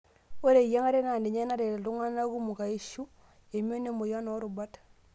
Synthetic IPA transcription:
wo˦ɾe˨ja˦ŋa˦ɾe˦na˨ndi˨ɲe˦na˦ɾe˨lu˦ŋa˦na˦ku˦mu˨ka˨i˦ʃu˦ | je˨me˦ne˦mo˨ja˦no˦ɾu˨ba˦t

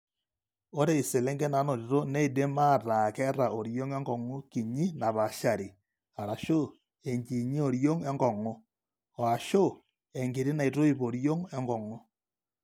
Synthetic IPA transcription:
o˦ɾe˦i˨se˨le˦ŋɡɛ˦na˨˦no˨ɾi˨to˦nɛ˦i˨de˦ma˦˨ta˨kɛ˦ɾa˨o˨ɾjo˦ŋɛ˦ŋɡɔ˨ŋo˦ki˨ɲi˦na˨βa˨ʃa˨ɾi˨ | a˨ɾa˨ʃo˦˨ | e˨ɲki˨ɲi˦o˨ɾjo˦ŋɛ˦ŋɡɔ˨ŋo˦ | ɔ˨a˨ʃo˦˨ | e˨ŋɡe˨ɾi˦na˨i˨to˦i˨po˨ɾjo˦ŋɛ˦ŋɡɔ˨ŋɔ˦

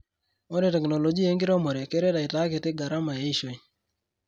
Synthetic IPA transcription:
ɔ˦ne˨tɛ˨kno˨lo˨d͡ʒi˦e˦ŋɡɪ˦ɾɔ˦mɔ˨ɾe˨ke˦ɾe˦da˨ɪ˨ta˨˦kɪ˨tɪ˦ɡa˨ɾa˦ma˨e˦i˦ʃo˦˨i˦

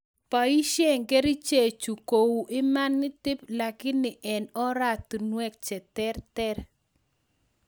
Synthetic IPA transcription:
pa˨i˦ʃe˦ŋɡe˦ɾi˦t͡ʃe˨t͡ʃu˨ko˨wu˨ʔɪ˦ma˦nːɪ˦tɪ˦pla˨kɪ˦nːɪ˨ʔɛ˨nɔ˦ɾa˦t̪u˨nwɛ˦k̚t͡ʃɛ˨tɛ˦ɾtɛ˦r

